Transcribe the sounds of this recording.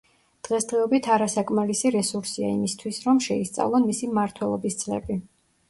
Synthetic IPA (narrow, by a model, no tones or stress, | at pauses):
d̪̥ʁɛsd̪ʁɛɔbit̪ʰaɾasakʼmalisiɾɛsuɾsia̰imist̪ʰwisɾɔmʃɛist̪sʼa̰vlˠɔnmisimaɾt̪ʰwɛlˠɔbisd̪z̥ʼlɛ̰bi